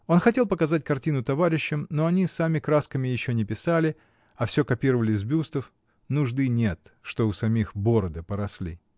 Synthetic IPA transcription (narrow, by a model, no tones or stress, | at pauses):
o̞nxɐtʲe̞lˠpəkɐzat̚ʲkɐrtʲinʊt̪ɐvaɾʲɪɕːɪmno̞ɐnʲisamʲɪkɾaskəmʲɪjɪɕːonʲɪpʲɪsalʲɪ | ɐfsʲo̞kɐpʲiɾəvəlʲɪzbʲust̪əf | nʊʐd̪ɨnʲe̞t̪ʂt̪oʊsɐmʲixbo̞ɾəd̪ɨpəɾɐslʲḭ